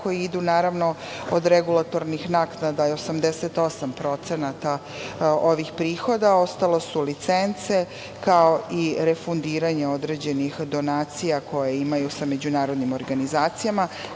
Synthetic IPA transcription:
ko̞jiid̪unaːɾaʋno̞ | od̪ɾeɡulˠat̪o̞ɾnixnaknad̪aio̞samd̪eset̪o̞sampɾo̞t̪senat̪a | oʋixpɾiːxo̞d̪ao̞st̪ale̞sulit̪se̞nt̪se̞ | kao̞iɾefund̪iːɾaɲe̞o̞d̪ɾe̞d͡ʑe̞nixd̪o̞naːt̪sijako̞jeimajusame̞d͡ʑunaːɾo̞d̪nimo̞ɾɡanizaːt̪sijama

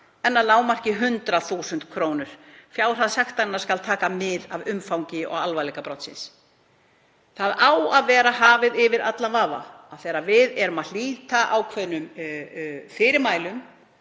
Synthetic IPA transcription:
ɛnːalaːwmar̥cɪɦʏnt̪ɾaθuːsʏnt̪kʰvɾoːwnʏɾ̥fjaːwɾ̥aðsaxt̪anːḁskalt̪ʰaːkamɪðavʏmfawŋcɪɔ̰ɣalvajlɛːkapɾɔt̪sɪ̰ns | θaðaːwaðvɛːɾaɦaːvɪðɪvɪɾa̰t̪lavaːva̰aðθeːɾavɪðɛɾʏmal̥iːt̪aʔawkʰvɛðnʏm | fɪɾɪɾmaːjlʏm

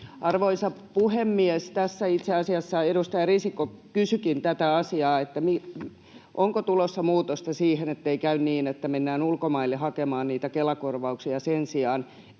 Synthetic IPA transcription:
ɑrʋoisɑpuhemːiest̪æsːæit̪seɑsiɑsːɑeɾust̪ɑjɑrisikːokysykint̪æt̪æɑsiɑːet̪ːæmi | ʔoŋkot̪ulosːɑmuːt̪ost̪ɑsiːhenet̪ːeikæynniːnet̪ːæmenːæːnulkomɑilːehɑkemɑːnniːt̪ækelɑkorʋɑuksiɑsensiɑːn

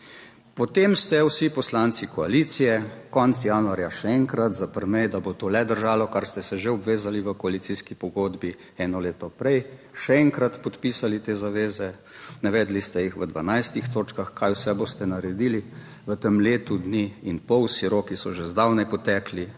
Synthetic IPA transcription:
pɔt̪emst̪ɛwsipɔslaːnt̪sikɔaliːt̪sijɛkɔnt̪sijaːnuaɾjaʃɛɛŋkɾat̪zapəɾmɛjd̪abot̪oːlɛd̪əɾʒaːlɔkaɾst̪ɛsɛʒeɔbʋeːzaliʋəkɔalit̪siskipɔɡoːd̪bi | ɛnɔleːt̪ɔpɾɛjʃɛɛŋkɾat̪pɔt̪piːsalit̪eːzaʋeːzɛ | naʋɛːd̪list̪ɛjixʋəd̪ʋa̰najst̪ixt̪oːt͡ʃkaxkajwsɛbost̪ɛnaɾɛd̪iːli | ʋət̪əmleːt̪ud̪niinpɔwsiɾoːkisɔʒezd̪awnɛjpɔt̪ɛːkli

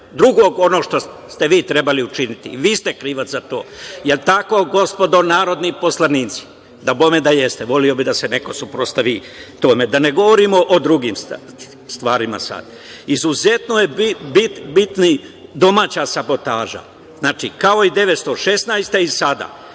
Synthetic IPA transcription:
d̪ɾuɡo̞ːɡo̞noʃt̪o̞ | st̪e̞ʋiːt̪ɾe̞baliut͡ʃinit̪ḭʋiːst̪e̞kɾiːʋat̪zat̪o̞̰ːje̞lt̪ako̞ɡo̞spo̞d̪o̞naːɾo̞d̪nipo̞slˠaniːt̪si̥ | d̪abomed̪aje̞st̪eʋo̞lio̞bid̪ase̞ne̞ko̞supɾost̪aʋi | t̪o̞ːmed̪ane̞ɡo̞ʋoɾiːmoʔod̪ɾuɡiːms | st̪ʋaːɾima̰sa̰d̪̥ | izuze̞t̪nojebibit̪nid̪o̞maːt͡ɕaːsabo̞t̪aːʒa̰ | znaːt͡ʃikao̞id̪e̞ʋet̪st̪oʃe̞snajst̪eisad̪a̰ː

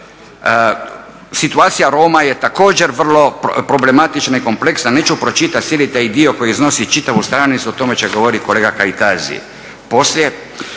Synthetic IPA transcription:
sit̪uaːt̪sijaɾoːmajet̪ako̞ːd͡ʑe̞ɾʋr̩lo̞pɾo̞ble̞mat̪it͡ʃnaiko̞mple̞ksnaneːt͡ʃupɾo̞t͡ʃit̪at̪sjelit̪aid̪io̞ko̞jizno̞sit͡ʃit̪aʋust̪ɾaːnit̪suot̪o̞me̞t͡ʃeɡoʋoɾitko̞le̞ːɡakait̪azḭḛ | po̞slje

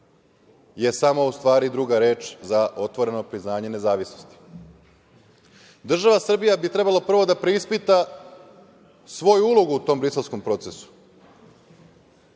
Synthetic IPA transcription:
je̞samo̞ust̪ʋaːɾid̪ɾuɡaɾe̞ːt͡ʃzaʔo̞t̪ʋo̞ɾe̞no̞pɾiznaːɲe̞ne̞zaːʋisno̞st̪i̥ | d̪r̩ʒaʋasr̩bijabit̪ɾe̞balˠapr̩ʋo̞d̪apɾeispit̪a | sʋo̞juulo̞ɡuut̪o̞ːmbɾise̞lˠsko̞mpɾo̞t̪sesu̥

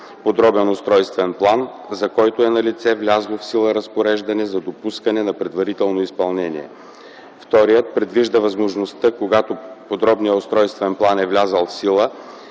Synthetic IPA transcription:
pod̪ɾɔbɛnost̪ɾɔjst̪vɛnplˠan | zɐkɔjt̪oɛnɐlʲit̪sɛvlʲazlˠofsilˠəɾɐspoɾɛʒd̪ɐnɛzɐd̪opuskɐnɛnɐpɾɛd̪vɐɾit̪ɛlˠnoispɐlˠnɛniɛ̰ | ft̪ɔɾijət̪̚pɾɛd̪viʒd̪əvɐzmoʒnost̪əkoɡat̪opod̪ɾɔbnijəost̪ɾɔjst̪vɛnplˠanɛvlʲazəlˠfsilˠə

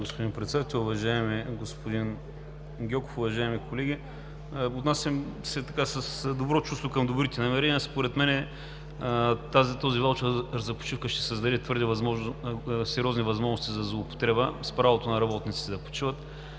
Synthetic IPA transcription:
ɡospʊd̪inpɾɛt̪sɛd̪at̪ɛlˠʊvɐʒaɛmiɡospʊd̪in | ɡʲɔkʊfʊvɐʒaɛmikolɛɡʲi | ot̪nasɐmsɛt̪ɐkasəsd̪obɾɔt͡ʃust̪vokɐmd̪ʊbɾit̪ɛnɐmɛɾɛniəspoɾɛt̪mɛnɛ | t̪azt̪ozivalˠt͡ʃzɐpo̥t͡ʃifkəʃt̪ɛ̥səzd̪ɐd̪ɛt̪vɤɾd̪ɛvɐzmɔʒnsɛɾʲiɔznivɐzmɔʒnost̪izɐzlˠoːpo̥t̪ɾɛbəspɾavot̪onɐɾɐbɔt̪nit̪sit̪ɛd̪ɐpo̥t͡ʃivət̪

